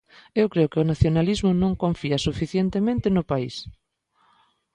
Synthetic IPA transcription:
ewkɾeʊkeʊnaθjonalizmʊnõŋkõɱfiasufiθjent̪emẽnt̪ɪnʊpais

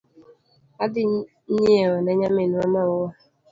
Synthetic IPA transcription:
adɪ | ɲeeɔneɲamenuamaʊwa

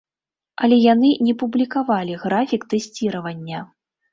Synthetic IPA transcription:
ɐlʲɛjanɨnʲɛpublʲikavalʲiɣɾafʲikt̪ɛsʲt͡sʲiɾɐvɐnʲːɐ

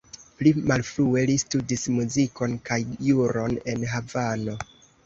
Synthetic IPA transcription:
plimalfɾue̞listudismuziko̞nkajjuɾo̞ne̞nɦavano̞

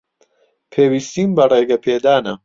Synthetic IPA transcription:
pʰeːwist̪iːmbɐreːɡɐpʰeːd̪aːnɐ

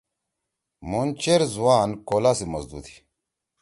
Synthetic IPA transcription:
mont͡ʃeɾzuwaːnkolasimɐzd̪ṵd̪i̥

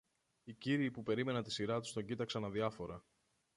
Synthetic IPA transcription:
iciɾiːpupe̞ɾime̞nɐnt̪isiɾɐt̪u̥st̪o̞ɲɟit̪ɐksɐnɐðiɐfo̞ɾɐ

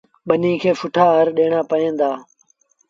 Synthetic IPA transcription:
ɓənĩːkʰeːfʊʈʰaːɦəɾɗeːɳaːpəɦẽːnd̪aː

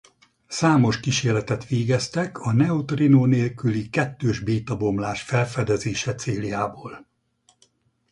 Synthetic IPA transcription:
saːmo̞ʃkiʃeːrlɛt̪ɛt̪ʋeːɡɛst̪ɛkʰɒnɛot̪rinoːneːlkylikɛt̪ːøːʒbeːt̪ɒbo̞mlaːʃfɛlfɛd̪ɛzeːʃɛt̪seːljaːboːl

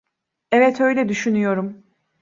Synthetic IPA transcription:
ɛvɛt̪ʰø̞jlʲɛd̪yʃynyjo̞ɾum

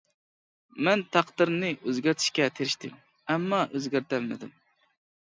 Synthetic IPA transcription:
mɛnt̪ʰɑqd̪ɨɾnɨʔøzɡʲæɾt̪ʰi̥ʃkʲɛt̪ʰeɾɪʃt̪ɪm | ɛmːɑʔøzɡʲæɾt̪ʰælmɪ̰d̪ɪm

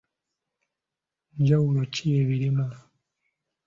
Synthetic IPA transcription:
ɲd͡ʒawulocieβiɾima

